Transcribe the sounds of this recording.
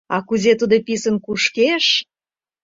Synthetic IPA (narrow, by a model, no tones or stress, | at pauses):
ɑkuzet̪ud̪əpisə̆nkuʃkeʃ